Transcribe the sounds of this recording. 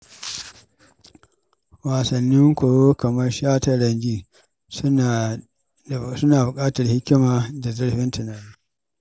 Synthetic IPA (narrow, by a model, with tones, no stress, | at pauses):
waː˨sɐ˨nːɪ˦ŋkʷo˨jo˦kɐ˨mɐ˦rʃaː˦tɐ˨ɽɐ˨ɲɡiː˦ | s | sʊ˦naː˨bʊ˨kʼaː˦tɐ˨rhɪ˦kʲːɪ˦maː˨da˨zʊ˦ɽɸɪ˦ntʊ˨naː˨ni˦